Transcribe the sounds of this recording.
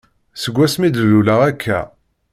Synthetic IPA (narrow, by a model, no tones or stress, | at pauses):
səɡʷːæsmid̪əlulæʁækʰːæ̰